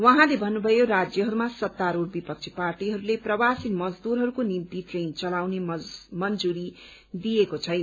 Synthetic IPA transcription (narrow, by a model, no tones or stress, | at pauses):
wʌɦãlebʱʌnːubʱʌjorad͡zjʌɦʌɾumasʌt̪ːaɾoɽbipʌk̚t͡sʰiparʈiɦʌɾuleprʌwasinmʌd͡zd̪uɾɦʌɾukonimt̪iʈrent͡sʌlawnemʌnd͡zuɾi | d̪ijekot͡sʰʌjna